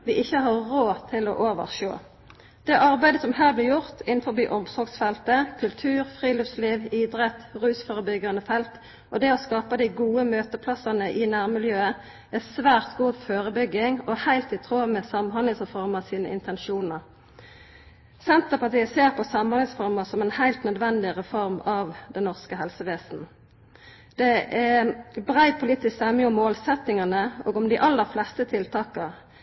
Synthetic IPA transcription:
ʋɪʔɪçːəhɑʁoːt̪ʰɪlɔ̰ʔoːʋə̰ʁʃo̰ː | d̪̥ɛʔɑʁbæɪd̪əsɔmhæːblɪːjʊʁt̪ʰɪn̩fɔʁbiːʔɔmsɔʁɡsfɛlt̪əkʰʉlt̪ʰʉːʁfʁiːlɪfsliːʋiːd̪ʁɛt̪ʁʉːsfoːʁəbʏɡɑənəfɛlt̪ | ʔɔd̪ɛɔskɑːpəd̪ɪɡuːəmøːt̪əpʰlɑsɑnəʔɪnæːʁmɪljøːə | æsʋæːʁt̪ɡuːføːʁəbʏɡɪŋɔhæɪlt̪ɪt̪ʰʁoːmɛsɑmhɑnɪsfɔʁmɑsiːnə̰ɪ̰nt̪ɛnʃuːnəʁ | sɛnt̪əpɑt̪iːəseːʁpʰɔsɑmhɑnɪsfɔʁməsɔmɛnhæɪlt̪nœd̪ʋɛnd̪ɪʁɛfɔɾmɑʋd̪ɛnnɔʁskəɦhɛlsəʋeːsn̩ | d̪̥ɛæbʁæɪpʰʊliːt̪ɪst̪ɛmɪʊmːoːlsɛt̪ɪŋɑnəʔoːɡɔmd̪ɪʔɑlːəʁflɛst̪ət̪ʰɪlt̪ʰɑːkəʁ

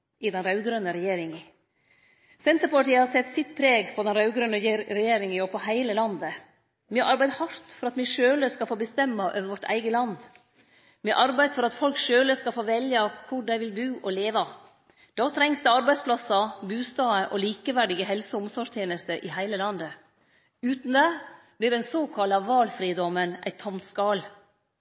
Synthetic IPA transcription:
ɪd̪ɛnɾɑʉɡɾœnːəɾɛjeːɾɪŋə | sɛnt̪əɾpɑʈiːəhɑɾsɛt̪ːsɪt̪pʰɾeːɡpʰɔd̪ɛnɾɑʉɡɾœnːəɾɛjeːɾɪŋɔpʰɔhæɪləlɑnd̪ə | mɛʔɑɾbæɪd̪hɑɾt̪fɔɾɑt̪mɛʂøːləskɑfoːbəst̪ɛmːɑʔøːʋəʋɔʈːʰæ̰ɪɡəlɑnd̪ | mɛʔɑɾbæɪfɔɾɑt̪fɔlkʂøːləskɑfoːʋɛljɑkʰʊɖæɪʋɪlbʉːʔɔleːʋɑ | d̪̥ɑːt̪ʰɾɛŋsd̪ɛɑɾbæɪd̪spʰlɑsɑbʉːst̪ɑːəʔɔliːkəʋæɖɪɡəɦɛlsəʊmsɔʂt̪ʰjeːnəst̪əʔɪhæɪləlɑnd̪ə | ʉːt̪n̩d̪ɛ | b̥lɪɾɖɛnsoːkʰɑlɑʋɑːlfɾiːd̪ɔmːənʔæ̰ɪt̪ʰːɔmt̪skɑːl

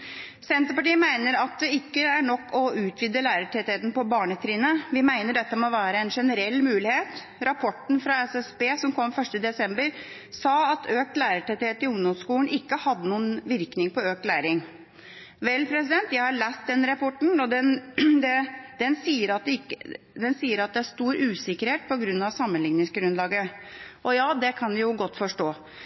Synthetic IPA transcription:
sɛnt̪əpɑʈiːəmæɪnəɾɑt̪̚d̪ɛɪkːəæɾɳɔkːɔʉːt̪ʰʋɪd̪ːəlæːɾəʈʰɛt̪ɪheːt̪n̩pɔbɑːɳət̪ʰɾiːnəʋɪmæɪnəɖɛt̪ːəmɛɔʋæːɾəɛnʂɛnəɾɛlːmʉːlɪheːt̪ | ɾɑpʰɔʈn̩fɾɑɛsɛsbeːsɔmkʰɔmːfœʂʈəd̪ɛsɛmbəɾ | sɑːɑt̪ʰøːk̚t̪læːɾəʈɛt̪ɪheːt̪ɪʊŋd̪ɔmskuːln̩ʔɪkːəhɑd̪ːənuːənʋɪɾknɪŋpɔøːkt̪læːɾɪŋ | ʋɛlːpʰɾɛs̬ɪd̪ɛnt̪jæɪhɑɾɭæːst̪̚d̪ɛnɾɑpɔʈɳ̩ɔd̪ɛnd̪ɛd̪̥ɛnsiːəɾɑt̪̚kː | d̪ɛnsiːəɾɑt̪̚d̪ɛæʂt̪uːɾʉːsɪkəɾheːt̪̚pʰɔɡɾʉnːɑʋsɑmːənlɪŋnɪŋsɡɾʉnlɑːɡəʔɔjɑːd̪ɛkʰɑnʋɪjʊɡɔt̪ːfɔʂʈoː

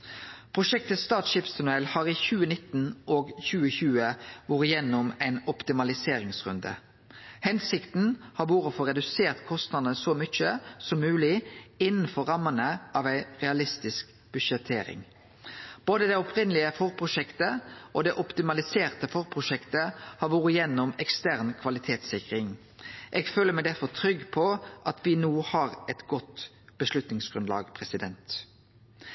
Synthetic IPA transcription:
pʰʁʊʃɛk̚t̪ət̪st̪ɑːt̪ʃɪpst̪ʰɛnʉɛlhɑːʁiːçʉːənɪt̪ːn̩oːɡçʉːəçʉːəʋʊːʁəjɛnːʊmæɪnɔpt̪ɪmɑlɪseːɾɪŋsʁʉ̰nd̪ə̰ | hɛnsɪkt̪n̩hɑɾʋuːʁəfɔʁɛd̪ʉseːʁt̪kʰɔst̪nɑd̪nəsɔmʏt͡ʃːəsɔmːʉːlɪɪnn̩fɔɾɑmːənəʔɑːʋæɪʁɛɑlɪst̪ɪsk | b̥ʉʃɛt̪ʰːeːɾɪ̰ŋ | b̥oːd̪əd̪ɛɔpʰʁɪnəlɪəfɔʁpʰʁʊʃɛkt̪əʔod̪ɛʔɔpt̪ɪmɑlɪseːʁt̪əfɔʁpʰʁʊʃɛkt̪əhɑʋuːʁəjɛnːʊmɛkst̪æʁnkʰʋɑlɪt̪ʰeːt̪sɪkʁɪŋ | ʔɛːɡføːləmæɪd̪æɾfɔʁt̪ʰɾʏɡːpʰɔʔɑt̪ʋɪnuːhɑʁɛt̪ɡɔt̪ | b̥əslʉt̪nɪŋsɡ̥ɾʁʉnd̪lɑ̰ːɡpʰʁɛsɪd̪ɛnt̪

